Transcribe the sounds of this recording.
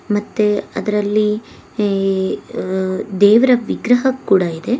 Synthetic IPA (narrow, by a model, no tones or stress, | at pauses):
mɐt̪ːeɐ̰d̪ɐɾɐlːi | d̪ɛːʋɐɾɐʋiɡɾɐɦɐkːuːɽɐid̪e̞